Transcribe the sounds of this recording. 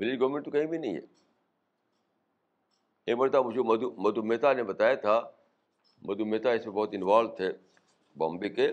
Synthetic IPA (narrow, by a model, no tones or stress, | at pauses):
ʋɪlɪd͡ʒɡɐʋmẽɳʈt̪ukɐ̃ɦĩbʱinɐḭ̃ɦḛː | ẽːmɐɾt̪amʊ̃d͡ʑomɐd̪mɐd̪umeːt̪anẽbɐt̪aːjat̪ʰa | mɐd̪umeːt̪aɪsmebɔːt̪ɪ̃nʋaːlt̪ʰeː | bɔ̰ːmbike